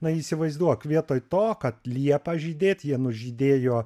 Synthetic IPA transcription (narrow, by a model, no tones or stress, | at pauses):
nɐiːsʲɪʋɐɪzd̪uɔkʋʲiɛt̪oːjt̪oːkɐt̪lʲiɛpɐʒʲiːd̪ʲeːt̪ʲjiɛnʊʒʲid̪ʲeːjoː